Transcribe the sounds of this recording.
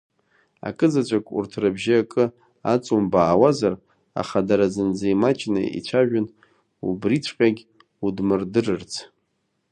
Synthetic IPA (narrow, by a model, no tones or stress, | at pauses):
a̰kʼɨd͡zat͡ʃʷʼakʼṵrtʰrabʒiakʼɨ | at͡sʼumbaːwazar | a̰χadaɾazɨnd͡zaimat͡ʃʼna̰ḭt͡ɕʷʰaʒᶣʊn | ubrit͡ɕʷʰqʲʼaɡʲ | udmɨrdɨrɨrt͡sʰ